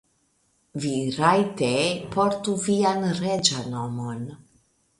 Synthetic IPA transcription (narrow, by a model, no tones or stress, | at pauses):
viɾajtepoɾtuvianɾed͡ʒanomon